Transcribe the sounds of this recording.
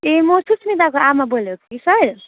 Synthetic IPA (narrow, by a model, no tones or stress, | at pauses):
emosusmid̪akoamːabolokʰisʌɾ